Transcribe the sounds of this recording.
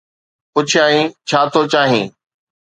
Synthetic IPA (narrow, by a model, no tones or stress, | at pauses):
kʊd͡ʑʱʰaːɦĩt͡ɕʰaːt̪ʰot͡ɕaːɦĩː